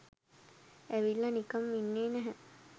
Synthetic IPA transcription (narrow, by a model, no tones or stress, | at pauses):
æʋilːɐnikɐmːinːeːnæɦɛ